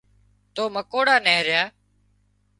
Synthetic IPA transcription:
t̪oːməkoːɽaːneːɾɪjaː

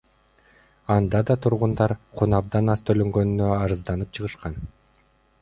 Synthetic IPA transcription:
ɑnd̪ɑd̪ɑt̪ʰuɾʁund̪ɑɾqʰunɑb̚d̪ɑnɑst̪ʰøløŋɡønynːøɑɾɯzd̪ɑnɯp̚t͡ʃʰɯʁɯʃqɑn

